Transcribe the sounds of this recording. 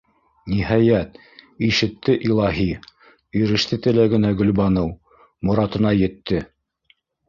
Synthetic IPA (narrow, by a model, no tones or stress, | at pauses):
nihɑjæt̪̚ | iʃɘ̆t̪ːɘʔilˠɑɦi | ɵ̆jɾɘ̆ʃt̪ɘt̪ɘ̆læɡɘ̆næɡɵ̆lβɑnɤw | mŏɾɑt̪ɤ̆nɑjɘ̆t̪ːɘ